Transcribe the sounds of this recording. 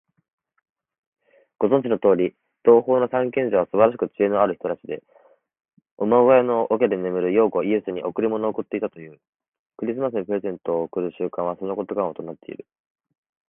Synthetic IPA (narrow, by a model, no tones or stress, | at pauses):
ɡ̥o̞zõ̞ɲ̟d͡ʑino̞t̪o̞ːɾʲi | d̪̥o̞ːho̞ːno̞sãŋkẽ̞ɲ̟d͡ʑaβ̞asɨbaɾaɕ̬i̥kɯ̟t͡ɕie̞noaɾɯ̟çi̥t̪o̞ɾaɕt͡ɕid̪e̞ | omoɡojano̞ʔok̬ʲed̪e̞memɯ̟ɾɯ̟jo̞ːɡo̞ie̞sɨɲ̟iʔo̞kɯ̟ɾʲimo̞no̞ːkɯ̟t̪ːe̞it̪at̪o̞jɯ̟ː | kɯ̟ɾʲis̬ɨmas̬ɨnipɯɾe̞zẽ̞nt̪o̞ːkɯ̟ɾɯ̟ɕɨːkãβaso̞no̞ko̞t̪oɡãot̪onat̪ːe̞ḭɾɯ̟